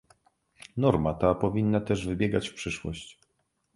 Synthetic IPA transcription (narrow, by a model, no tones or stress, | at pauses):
nɔɾmat̪apɔvʲinːat̪ɛʐvɘbʲjɛɡat͡ɕfpʂɘʂwɔ̰ɕt͡ɕ